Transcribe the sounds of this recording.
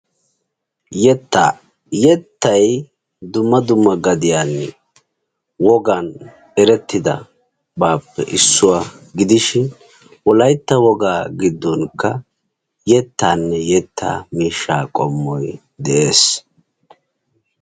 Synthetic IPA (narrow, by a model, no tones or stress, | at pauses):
jɛt̪ːaː | jɛt̪ːɐj | d̪ʊmːɐd̪ʊmːɐɡɐd̪ɪjaːnːɛ | wɔɡɐn | ɛɾɛt̪ːɪd̪ɐ̰ | baːpːɛ̰ʔɪsːʊwaːɡɪd̪ɪʃɪn | wɔlɐjt̪ːɐwɔɡaːɡɪd̪ːɔnkːɐ | jɛt̪ːaːnːɛjɛt̪ʰːa̰ːmiːʃːaːkʼɔmːɔj | d̪ɛʔe̞ːs